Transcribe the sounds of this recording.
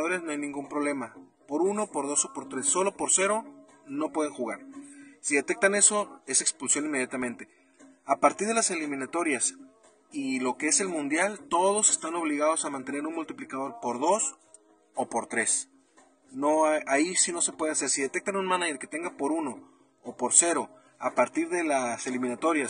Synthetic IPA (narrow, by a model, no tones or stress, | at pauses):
aðo̞ɾjaznoajnĩŋɡumpɾo̞β̞le̞mapo̞ɾuno̞po̞ɾðo̞so̞po̞ɾt̪ɾe̞sːo̞lo̞po̞ɾse̞ɾo̞ | no̞pwe̞ðeŋxuɣaɾsiðe̞t̪e̞k̚t̪ane̞so̞e̞se̞kspulsjo̞nimejat̪amẽ̞nt̪e̞̥ | apaɾt̪iɾðe̞lase̞limĩnat̪o̞ɾjas | ilo̞kee̞se̞lmũnd̪jalt̪o̞ð̞o̞se̞st̪ano̞β̞liɣaðo̞samãnt̪e̞neɾunmult̪iplikað̞o̞ɾpo̞ɾðo̞s | opo̞ɾt̪ɾe̞s | no̞aaisino̞se̞pwe̞ð̞e̞ase̞ɾsiðe̞t̪e̞k̚t̪anunmãnaʝeɾke̞t̪e̞ŋɡapo̞ɾuno̞ː | poɾse̞ɾo̞ | apaɾt̪iɾðe̞lase̞limĩnat̪o̞ɾjas